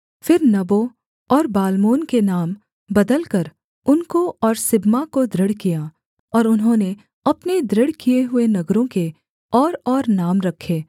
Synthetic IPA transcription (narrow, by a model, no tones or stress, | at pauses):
fɪɾnɐbo | ɔːɾbaːlmoːnkenaːm | bɐd̪əlkɐɾ | ʊnkoɔːɾsɪbmakod̪ɾɪɽkija | ɔːɾʊnɦõne | ɐpned̪ɾɪɽkieɦʊenɐɡɾõke | ɔːɾɔːɾnaːmɾɐkʰːeː